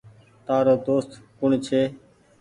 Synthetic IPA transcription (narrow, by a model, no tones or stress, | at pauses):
t̪aːɾoːd̪oːst̪kʊɳt͡ʃʰeː